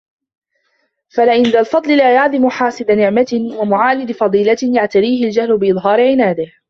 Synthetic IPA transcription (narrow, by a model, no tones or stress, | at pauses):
falaʔɪnd̪alfɑd̪ˤlɪlaːjaʕlɪmʊħɑːsˤɨd̪anɪʕmat̪ɪwamʊʕaːlɪd̪fɑd̪ˤiːlajaʕt̪ad̪iːhɪld͡ʒahlʊbɪʔɨðˤɦɑːɾɪʕɪnaːd̪ɪh